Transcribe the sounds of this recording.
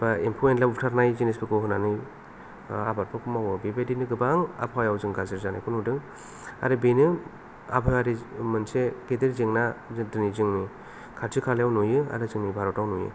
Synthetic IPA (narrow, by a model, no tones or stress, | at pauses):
baempʰoenlautʰaɾnajzinesbɯkʰɯɦɯnanɯj | a̰baɾpʰɯkʰumawɯbebedinɯɡɯbaŋa̰pʰajawzɯŋɡaziɾzanajkʰunudɯŋ | a̰ɾɯbinɯ | a̰bʰɯjaɾimɯnseɡ̥edeɾzeŋnadɯnizɯŋni | kʰaɾzʰikʰaljawnujɯa̰ɾɯzɯŋnibʱaɾɔtawnujɯ̰